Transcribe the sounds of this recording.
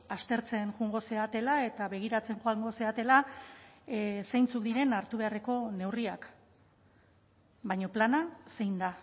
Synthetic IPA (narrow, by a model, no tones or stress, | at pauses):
ast̪e̞ɾt͡se̞nʝuŋɡo̞se̞at̪e̞lae̞t̪aβe̞ɣ̞iɾat͡se̞ŋʝoaŋɡo̞se̞at̪e̞la | sejnt͡sukd̪iɾe̞naɾt̪uβe̞are̞ko̞ne̞wriak | baɲo̞planase̞jnd̪a